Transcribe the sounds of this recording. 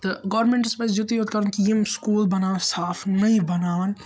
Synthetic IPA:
t̪ɐɡɔːɾmẽɳʈspɐsd͡ʒut̪ijoːt̪kɐɾənkijemskuːlbɐnaːnsaːfʰnɐĩbɐnaːʋn

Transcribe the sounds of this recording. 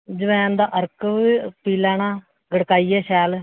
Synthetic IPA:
d͡ʒəʋɛ̃ːnd̪aːʔəɾkːpiːlaːnaː | ɡəɽkaːiːɛːʃɛːl

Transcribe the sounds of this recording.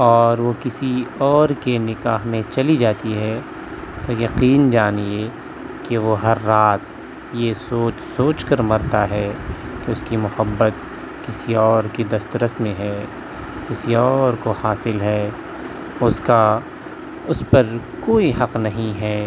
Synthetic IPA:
ɔːɾʋokɪsiɔːɾkenɪkaːɦmẽt͡ʃɐlid͡ʒaːt̪iɦɛ | t̪ojɐqiːnd͡ʒaːnie | keʋoɦɐɾːaːt̪̚ | jesoːt͡ʃsoːt͡ʃkɐɾmɐɾt̪aɦɛːkeʊskimʊhəbːət̪ | kɪsiɔːɾked̪ɐst̪ɾəsmẽɦɛː | kɪsiɔːɾkohaːsɪlɦɛː | ʊska | ʊspɐɾkoːiɦɐqnɐɦĩɦɛː

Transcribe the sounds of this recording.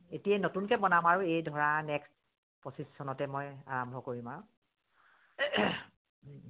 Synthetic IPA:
etijɛnotunkɛbɔnamaɹuejdʱɔɹanɛkst | posisːɔnɔtɛmɔja̰ɹɔmbʱɔkoɹimaɹu

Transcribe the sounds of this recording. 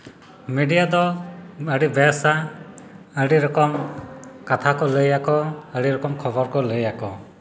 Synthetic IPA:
meɖijad̪ɔəɽibɛsa | əɽiɾɔkɔmkat̪ʰakɔləjakɔəɽiɾɔkɔmkʰɔbɔɾkɔləjakɔ

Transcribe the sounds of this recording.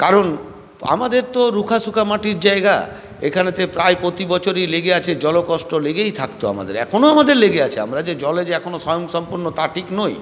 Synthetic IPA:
kaɾon | a̰mad̪eɾt̪oɾukʰaʃukʰamaʈiɾd͡ʑaeɡa̰ | ekʰanet̪epɾaepɾot̪ibɔt͡ɕʰoɾijleɡeat͡ɕʰed͡ʑɔlokɔʃʈoleɡejt̪ʰakt̪oa̰ma̰d̪ḛɾɛ̰kʰonoamad̪eɾleɡeat͡ɕʰea̰mɾad͡ʑed͡ʑɔled͡ʑɛkʰonoʃɔjoŋʃɔmpuɾnot̪aʈʰiknoj

